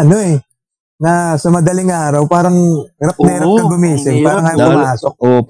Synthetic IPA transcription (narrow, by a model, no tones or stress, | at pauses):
ʔɐno̞ɛ | nɐsɐmɐd̪ɐlɪŋʔaːɾɐwpaːɾɐŋɾɐp̚nɐɪɾɐp̪̚ɐbʊmiːsɪŋpaːɾɐŋhɐjoŋpʊmaːsok̚